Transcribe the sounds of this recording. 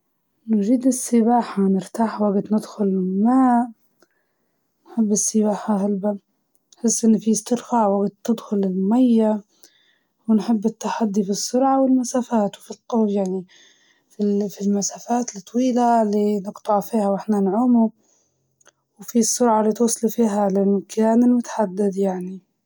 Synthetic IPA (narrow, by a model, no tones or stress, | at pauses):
nd͡ʒiːd̪ɪsːɪbaːħanɪɾt̪aːħwaɡt̪nɪd̪xʊlɪmaːʔ | nħɪbːɪsːɪbaːħaɦalba | nħɪsːʔɪnːfist̪ɪɾfaʕwaɡt̪ːɪd̪xʊlɪlmajːa | wnħɪbːɪt̪ːaħad̪ːifisːʊɾʕawɪlmasaːfaːt̪wfilq̪oːfjaʕni | fifilmasaːfaːt̪lt̪ˤːwiːlalinɪɡt̪ˤɑʕfiːhawʔɪħnanʕuːmu | wfisːʊɾʕalːit̪wɑsˤːlufiːɦalʔamːkʰaːnɪlmʊt̪ḁħad̪ːɪd̪jaʕni